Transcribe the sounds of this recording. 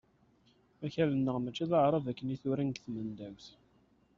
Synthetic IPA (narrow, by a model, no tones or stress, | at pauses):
æçælənːəʁmæt͡ʃːæðəʕɾˤɑvækːəniθʊɾænɡθmənd̪æwθ